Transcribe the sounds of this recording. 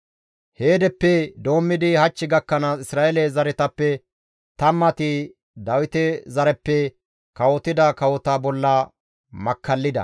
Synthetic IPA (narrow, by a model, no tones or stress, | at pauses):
heːd̪ɛpːɛd̪o̞ːmːɪd̪ɪhɐt͡ʃːɪɡɐkːɐnɐɪsɾaːʔɛlɛzɐɾɛt̪ɐpːɛ | t̪ɐmːɐt̪ɪ | d̪ɐwɪt̪ɛzɐɾɛpːɛ | kɐwɔt̪ɪd̪ɐkɐwɔt̪ɐbɔlːɐ | mɐkːɐlːɪd̪ɐ̰